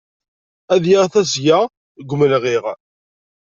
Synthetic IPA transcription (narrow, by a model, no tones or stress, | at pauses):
æðjaʁθæsjæ | ɡʷməlʁiʁ